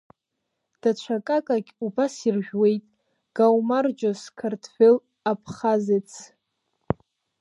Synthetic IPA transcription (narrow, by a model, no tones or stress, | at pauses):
d̥at͡ʃʷʰakʼakʼaɡʲubasirʒᶣwe̞jtʼ | ɡ̥awmard͡ʒoskʰartʰfel | apʰχazet͡sʰ